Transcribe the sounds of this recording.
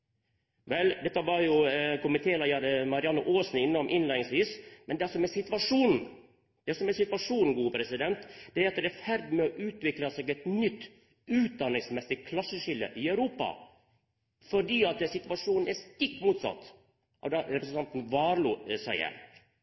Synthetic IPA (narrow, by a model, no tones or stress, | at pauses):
ʋɛld̪ɛt̪ːəʋɑɾjʊkʊmənt̪ʰeːlɑjɑɾmɑɾɪɑnːʊʔoːsn̩ɪnːɔmʔɪnlæɪnɪŋsʋiːsmɛnd̪ɛɑlsɔmɛsɪt̪ʋɑʂuːnn̩ | d̪̥ɛsɔmɛsɪt̪ʋɑʂuːnn̩ɡuːpʰɾɛsɪd̪ɛnt̪d̪̥ɛæɾɑt̪d̪ɛæfæɾd̪mɛɔʔʉːt̪ʋɪklɑsɛɡɛt̪nʏt̪ː | ʉːt̪̚d̪ɑnɪŋsmɛsɪkʰlɑsːəʂɪlə̰ʔɪœʉɾuːpɑ̰ | fɔɖiːɑt̪əsɪt̪ʋɑʂuːnn̩ɛst̪ɪk̚t̪muːt̪sɑ̰t̪ː | ʔɔ̰d̪ɑɾɛpɾəsən̩t̪ɑnt̪n̩ʋɑːɾluːsæɪə̰ɾ